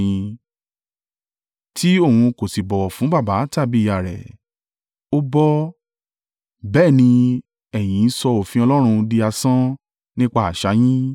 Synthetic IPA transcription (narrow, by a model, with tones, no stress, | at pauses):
ĩ˧ | tʰi˦o˦˨hũ˧ko˨si˨bɔ˨fũ˨˦ba˦˨ba˨˦ta˦˨bi˦˨a˨ɾɛ̰˨ | o˧bɔ˧ | bɛː˦˨nĩ˧ | ɛ˨j̃ĩ˨˦n̩˦sɔ˧o˨fĩ˧ɔ˧lɔ˦ɾ̃ũ˧di˧a˧sã˦ | nĩ˦k͡pa˦˨a˨ʃa˨˦j̃ĩ˦